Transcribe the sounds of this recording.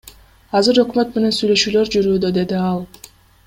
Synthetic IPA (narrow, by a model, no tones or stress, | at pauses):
ɑzɯɾø̞kmø̞t̪me̞ne̞nsyjlø̞ʃyːlø̞ɾd͡ʒyɾyːd̪ød̪e̞d̪iɑlˠ